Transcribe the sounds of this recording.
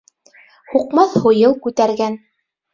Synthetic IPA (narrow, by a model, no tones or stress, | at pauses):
huqmɑθhŭjɤlˠkʉt̪æɾɡæn